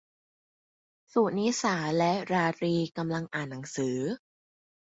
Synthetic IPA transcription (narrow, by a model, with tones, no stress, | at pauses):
su˨˩niː˦˥saː˩˦lɛ˦˥ʔɾaː˧ɾiː˧ka˧mla˧ŋʔaː˨˩nːa˩˦ŋsɯː˩˦